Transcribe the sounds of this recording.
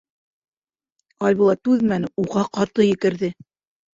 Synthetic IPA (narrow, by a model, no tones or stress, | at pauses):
ɑlʲβulˠɑt̪ʉðmænɘuʁɑqɑɾt̪ɤjɘ̆kɘ̆ɾðɘ